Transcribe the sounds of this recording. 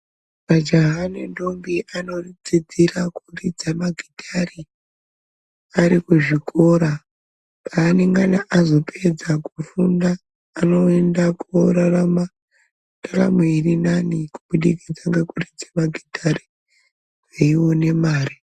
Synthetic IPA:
mad͡ʒaɦanendombiʔano̞rid͡zid͡ziɾakurid͡zamaɡʱidʱari | aɾikuʐikʰo̞ːɾa | pʰaːneŋɡanaʔazo̞pʰed͡zakufundaː | no̞endakuoɾarama | dara̰meirinanikuɓuɗikid͡zaŋɡakurid͡zamaɡʱidʱaɾi | weiwo̞ne̞maːri

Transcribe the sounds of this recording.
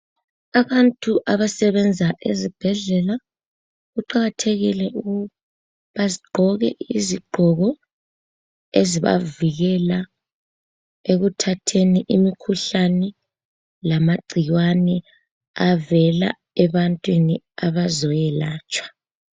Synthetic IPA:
aβantʼuʔaβasɛβɛnd͡zʱaʔezib̥ʱɛɮɛla | ɣuǃaɣatʰeɣilɛuɣu | βaziɡ͡ǃʱɔɣɛ̰ʔiziɡ͡ǃʱɔɣɔ | eziβa̰viɣɛla | eɣutʰatʰeniʔimikʰuɬanɛ | lamaɡ͡ǀʱijwanɛ | avɛla̰ | ɛβantʼwini | aβazɔjɛlaːt͡ʃʼwḁ

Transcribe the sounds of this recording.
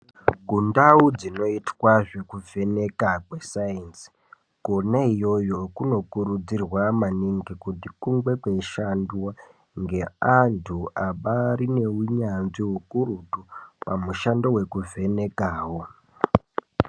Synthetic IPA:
ɡʱundaud͡zino̞itwaʐe̞kuve̞ne̞kakwesajinsi̥ | ɡ̥onaijo̞jokuno̞kuɾud͡zirwamaniŋɡikutikuŋɡwe̞kweiʃanduwa | ŋɡe̞antʰuaɓaɾine̞uɲanʐiɦukuɾutupamuʃandowekuve̞ne̞kaːwo̞

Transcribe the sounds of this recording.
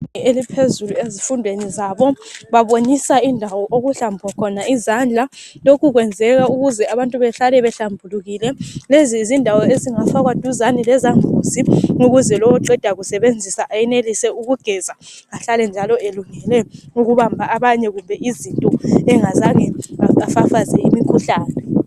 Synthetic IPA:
elipʰezuluezifundʱwenizaːβɔβaβoɲisaindʱawɔʔoɣuɬambʱwakʰɔnaizand͡ɮʱalokʰuɣwɛnd͡zʱɛɣauɣuzɛaβantʼuβɛɬalɛβɛɬambʱuluɣilɛlezizindʱawɔeziŋafaɣwad̥ʱuzanilɛzaɱʱuziŋuɣuzɛlɔwɔǃɛd̥ʱaɣusɛβend͡zʱisaʔajɛnelisɛuɣuɡ̥ʱɛzaŋaɬalɛnd͡ʒʱalɔeluŋɛlɛŋuɣuβambʱaaβaɲɛɣumbʱɛʔizintʼɔɛŋazaŋɛaafafazɛimikʰuɬaːnɛ

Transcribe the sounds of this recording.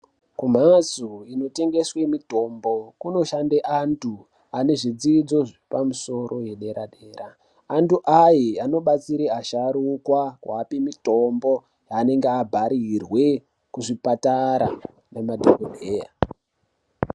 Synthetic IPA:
kum̤azuino̞te̞ŋɡe̞swe̞mito̞mbo̞kuno̞ʃandeʔantʰu | ane̞ʐid͡ziːd͡zo̞ʐipamuso̞ɾo̞je̞ɗe̞ɾaɗe̞ːɾaː | ntuʔajiano̞ɓat͡siɾeaʃaɾukwakwa̰ːpimito̞mbo̞ | jane̞ŋɡeabʱaɾirwe̞ | kuʐipataɾa̰ | nemadʱokodʱe̞ːja̰

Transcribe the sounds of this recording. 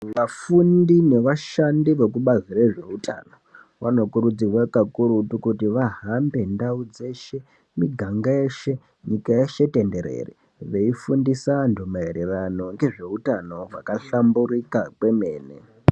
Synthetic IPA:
ʋafundine̞ʋaʃandiʋe̞k̬uɓazire̞ʐe̞uta̰ːno | ʋano̞kuɾud͡zirwakakuɾutukutiʋaɦambe̞ndaud͡ze̞ʃe̞ | miɡʱaŋɡaeːʃe̞ | ɲikajeʃe̞te̞nde̞ɾḛrḭ | ʋe̞ifundisandʱomaeɾerano̞ŋɡe̞ʐe̞utano̞vakaɬamburikakwe̞me̞ːnḛ

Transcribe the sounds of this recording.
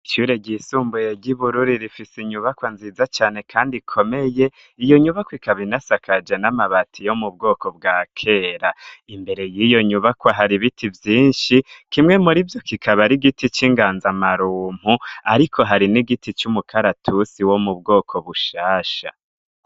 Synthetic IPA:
iʃuɾe̞ɟisuːmbujeɟiβuɾuɾiɾifisiɲuβakwanziːzat͡ʃaːne̞kʰaːndikʰo̞me̞je̞ | ijo̞ɲuβakwikʰaβinasakʰad͡ʒe̞namaβatʰijo̞mub̚ɡo̞ːkʰo̞b̚ɡaːkʰe̞ːɾaimbe̞ɾe̞jijo̞ɲuβakwaɦaɾiβitivjiːnʃikimŋe̞muɾivjo̞kikʰaβaɾiɡitit͡ʃiŋɡaːnzamaɾuːm̥huaɾikʰo̞ɦaɾiniɡitit͡ʃumukʰaɾatʰusiwo̞mubɡo̞ːkʰo̞βuʃaːʃa̰

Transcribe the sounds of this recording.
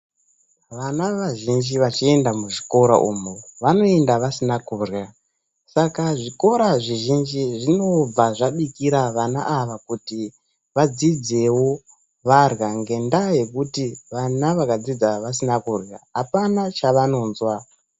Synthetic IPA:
ʋanaʋaʒind͡ʒiʋat͡ʃie̞ndamuʐiko̞ɾa̰ʔumoʋano̞e̞ndaʋasinakuːrja | sakaʐiko̞ɾaʐiʒind͡ʒiʐino̞b͡vaʐaɓikiɾaʋanaʔaʋakuti | ʋad͡zid͡ze̞wo̞ | ʋarɣaŋɡe̞ndaje̞kutiʋanaʋakad͡zid͡zaʋas̬inakurja̰ɦapanat͡ʃaʋano̞ːnzwa

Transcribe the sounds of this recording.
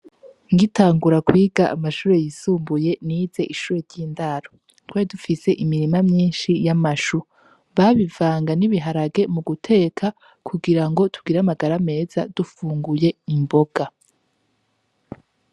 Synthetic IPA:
ŋɡitaːŋɡuɾakwiːɡaʔːmaʃuːɾe̞jisuːmbuje̞niːz̥e̞ʔiʃuːɾeɾɟiːndaɾo | twaidufise̞ʔimiɾimamɲiːnʃijamaʃu | βaβivaːŋɡaniβiɦaɾaɡe̞muɡutʰe̞ːkʰa | kʰuɡiɾaŋɡo̞tʰuɡiɾamaɡaɾame̞ːz̥ad̥ufuːŋɡuje̞imbo̞ɡ̥a

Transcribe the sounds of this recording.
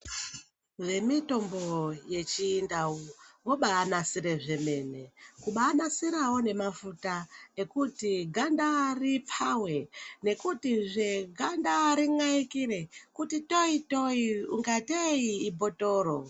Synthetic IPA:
ʋe̞mito̞mbo̞je̞t͡ʃiːndauwoɓaːnasiɾe̞ʐe̞me̞ne̞kuɓaːnasiɾawo̞ne̞mafutaekutiɡʱandaripʰawe̞ne̞kutiʐe̞ɡʱandaɾiŋaikire̞kutito̞itoiuŋɡateiːbʱo̞to̞ːɾo

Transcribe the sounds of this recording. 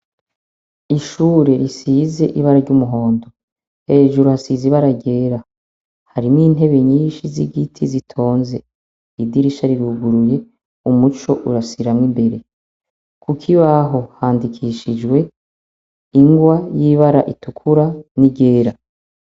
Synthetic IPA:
iʃuːɾe̞ɾisize̞ʔiβaɾaɾɟumuɦo̞ːndo̞ | he̞ːʒuɾuhasiziβaɾaɟe̞ːɾa | haɾimŋiːn̥e̞βe̞ɲiːnʃiziɡitʰizitʰo̞ːnze̞ | idiɾiʃaɾiɾuːɡuɾuje̞ | umut͡ʃo̞ʔuɾasiɾamŋimbe̞ɾe̞ | kʰukʰiβaɦo̞haːndikʰiʃid͡ʒɡwe̞ | iŋɡwajiβaɾaʔitukʰuɾaniɟe̞ːɾa

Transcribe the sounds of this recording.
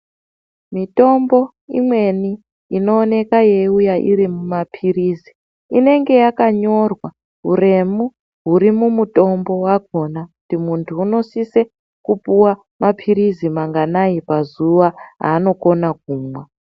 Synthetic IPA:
mito̞mbo̞ | imwe̞ni | ino̞ːne̞kaje̞ujaʔḭɾimumapʰirizi | ine̞ŋɡe̞jakaɲo̞rwa | ɦure̞mu | ɦuɾimumuto̞mbo̞wak̚o̞naku̥timuntʰuːno̞sise̞ | kupuwa | mapʰirizimaŋɡanajipazuʋaɦa̰ːno̞ko̞nak̚uːmwa

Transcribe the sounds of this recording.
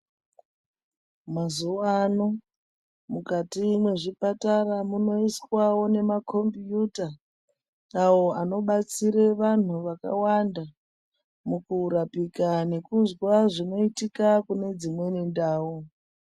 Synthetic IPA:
mazuoano | mukatimwe̞ʐipataramuno̞iswawo̞ne̞mako̞mbjutaː | wo̞ano̞ɓat͡siɾeʋan̤uʋaka̰wanda | mukuɾapikane̞kuzwaʐino̞itikakune̞d͡zimwe̞nindaːwu

